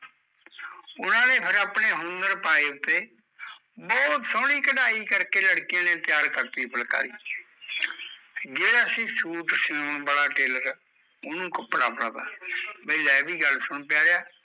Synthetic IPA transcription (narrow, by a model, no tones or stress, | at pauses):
ʊnãːnẽːpʰɪɾaːpɳeːɦʊnd̪əɾpaːeːʊt̪ːeː | bɔːt̪sɔ̃ːɽ̃iːkəɖaːiːkəɾkeːləɽkijãːnẽːt̪ɪjaːɾkəɾt̪iːpʰəlka̰ːɾiː | d͡ʒeːɽaːsĩːsuːʈsɪoːnbəɽaːʈeːləɾ | ʊnũːkəpɾa̰ːpəɽaba̰ːbəilɛːbiːɡəlsʊɳpɪjaːɾejaː